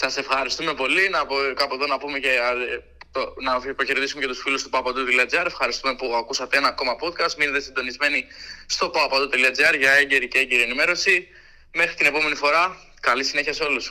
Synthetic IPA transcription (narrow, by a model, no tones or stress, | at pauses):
sɐse̞fxɐɾist̪ume̞po̞linɐkɐpoe̞ðo̞nɐpumece | t̪onɐpɐçeɾðisumeceusfilust̪upɐpɐd̪ut̪eliɐd͡ziɐɾe̞fxɐɾist̪ume̞puɐkusɐt̪eenɐːko̞mɐpo̞t̪kɐst̪minet̪esind̪o̞nizme̞nist̪o̞pɐpɐd̪ut̪e̞liɐd͡ziɐɾʝɐeɲɟe̞ɾiceeɲɟiɾie̞nime̞ɾo̞si | me̞xɾit̪ine̞po̞me̞nifo̞ɾɐ | kɐlisineçɐseo̞lus